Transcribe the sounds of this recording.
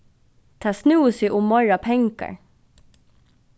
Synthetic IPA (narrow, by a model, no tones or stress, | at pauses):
t̪ʰɑːsnuːsiʔʊmːɔɹapʰɛŋka̰ɹ